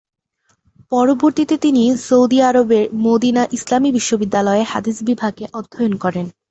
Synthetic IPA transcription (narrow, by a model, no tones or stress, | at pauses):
pɔɾoboɾt̪it̪et̪inisowd̪iaɾobeɾmod̪inaʔislamibiʃːobid̪ːalɔeha̰d̪isbibʱaɡeʔɔd̪ʱːojonkɔɾen